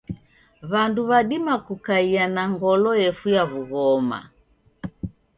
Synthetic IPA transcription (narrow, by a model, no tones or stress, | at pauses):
βanduβaɗimakukaianaŋɡɔlɔɛfujaβuɣɔma̰